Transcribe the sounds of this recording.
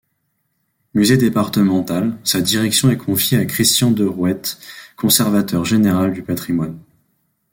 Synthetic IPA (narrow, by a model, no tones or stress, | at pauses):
myzed̪epaʁt̪əmɑ̃t̪alsad̪iʁɛksjɔ̃ɛkʰɔ̃fjeakχist̪jɑ̃d̪əʁwɛt̪kɔ̃sɛʁvat̪œʁʒeneʁald̪ypat̪χimwan